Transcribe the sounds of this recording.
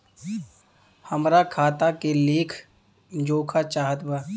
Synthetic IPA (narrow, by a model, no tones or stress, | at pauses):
həmɾakʰaːt̪akeleːkʰ | d͡ʒoːkʰat͡ʃaːɦət̪baː